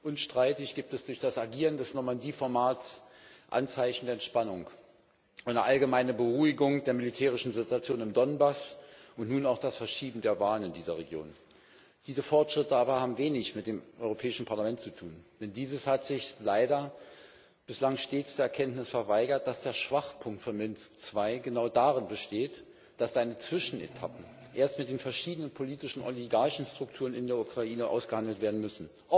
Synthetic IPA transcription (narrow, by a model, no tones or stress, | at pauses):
ʔʊnʃtʁ̥aɪtɪçɡ̥iːp̚tɛsd̥ʊɐçd̥asaɡiːʁ̞əndɛsnɔmandiːfɔɐmaːtsʔa̰nt͡saɪçn̩deːɐɛntʃpanʊŋ | ʔaɪnəʔalɡəmaɪnəbəʁuːɪɡʊŋd̥eːɐmɪlitʰɛːʁ̞ɪʃn̩zɪtuat͡sjoːnɪmdɔnbasʔʊntnuːnaʊxd̥asfɛɐʃiːbm̩deːɐvaːlənɪndiːzɐʁ̞eɡjo̰ːn | d̥iːzəfɔɐtʃʁ̥ɪtəaːbɐhaːbm̩veːnɪçmɪt̚d̥eːmʔɔʏʁopʰɛːɪʃn̩pʰaɐlamɛntt͡sutʰuːnd̥ɛndiːzəshatz̥ɪçlaɪdɐ | b̥ɪslaŋʃteːt͡sd̥eːɐɛɐkʰɛntnɪsfɛɐvaɪɡɐt̚d̥asd̥eːɐʃv̥aχpʰʊŋktfyːɐmɪnt͡skt͡sv̥aɪɡənaʊdaʁɪnbəʃteːt | d̥asz̥aɪnət͡sv̥ɪʃn̩ḛtʰapm̩ʔeːɐstmɪt̚d̥eːnfɛɐʃiːdənənpʰoliːtɪʃn̩ʔɔliɡaɐçn̩stʁ̥ʊk̚tʰuːʁənɪndeːɐukʁ̥aʔiːnəʔa̰ʊsɡ̥əhandl̩tv̥eːɐdn̩mʏsn̩ | ʔ